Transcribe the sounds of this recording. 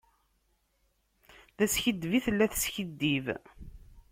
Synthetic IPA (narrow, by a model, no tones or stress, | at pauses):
ðæsçəd̪ːviθəlːæθə̥sçəd̪ːiv